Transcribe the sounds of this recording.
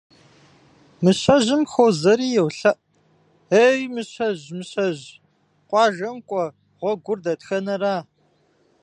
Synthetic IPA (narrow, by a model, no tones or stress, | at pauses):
mɨɕʷʰɐʑɪmxowzɐɾiːjɛwɬɐʔ | eːjmɨɕʰʷɐʑmɨɕɐʑ | qʷʼɑːʒɐmkʷʼɔ | ʁʷɔɡʷʊrdɐtxɐnɐraː